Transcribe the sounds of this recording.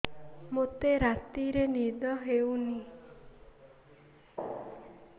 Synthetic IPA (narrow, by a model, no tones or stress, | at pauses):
mot̪eɾat̪iɾenid̪ɔɦewni